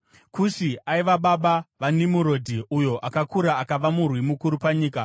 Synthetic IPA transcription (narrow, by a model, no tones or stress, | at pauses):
kuʃiaiʋaɓaɓaʋanimuɾo̞dʱiʔujo̞ʔakakuɾaːkaʋamurwimukuɾupaɲiːka